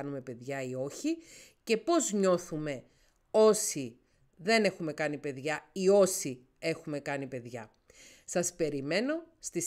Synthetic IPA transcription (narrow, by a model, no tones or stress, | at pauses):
ɐnume̞pe̞ðʝɐio̞çi | ce̞po̞zɲo̞θume̞ | o̞si | ðe̞ne̞xume̞kɐnipe̞ðʝɐio̞si | e̞xume̞kɐnipe̞ðʝɐ | sɐspe̞ɾime̞no̞ | st̪i